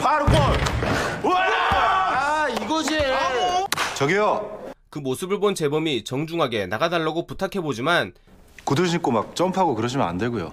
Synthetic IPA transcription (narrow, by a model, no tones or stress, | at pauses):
pʰaɾɯkʰo | a | iɡʌd͡ʑiejo | t͡ɕʌɡijokɯmosʰɯbɯɭbont͡ɕe̞bʌmit͡ɕʌŋd͡ʑuŋɦaɡe̞naɡadaɭːaɡoputʰakʰe̞bod͡ʑiman | kuduɕʰik͈omak̚t͡ɕ͈ʌmpʰaɡokɯɾʌɕʰima̰ndweɡujo̰